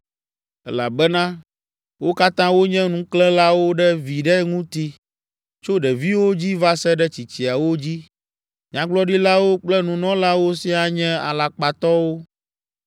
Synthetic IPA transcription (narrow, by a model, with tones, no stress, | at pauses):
ɛ˦la̰˨bɛ˦nã˦ | wo˦ka˦t̪ã˦wo˦ɲɛ̃˦nũ˦klɛ̃˦la˦wo˦ɖɛ˦vi˨ɖɛ˦ŋũ˦t̪i˦ | t͡ʃo˦ɖɛ˨vi˦wo˦d͡ʑi˦va˦sɛ˦ɖɛ˦t͡ɕi˨t͡ɕi˨a˨wo˦d͡ʑi˦ | ɲã˦ɡ͡blɔ˦ɖi˦la˦wo˦k͡plɛ˦nũ˨nɔ̃˦la˦wo˦si˦a˨ɲɛ̃˦a̰˨la˨k͡pa˨t̪ɔ˦wo˦